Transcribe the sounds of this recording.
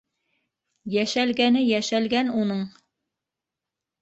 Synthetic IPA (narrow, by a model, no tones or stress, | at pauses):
jæʃælɡænɘjæʃælɡænunɤɴ